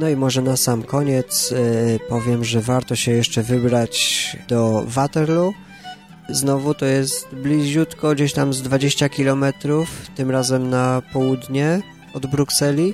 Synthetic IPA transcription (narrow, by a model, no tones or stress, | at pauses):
nɔimɔʐɛnasamkɔɲɛt̪spɔvʲjɛmʐɛvaɾt̪ɔɕɛjɛʂt͡ʂɛvɘbɾat͡ɕd̪ɔvat̪ɛɾlu | znɔvut̪ɔjɛst̪blʲiʑut̪kɔɡd͡ʑeɕt̪amzd̪vad͡ʑeɕt͡ɕakʲilɔmɛt̪ɾuft̪ɘmɾazɛmnapɔwud̪ɲɛ | ɔd̪bɾuksɛlʲi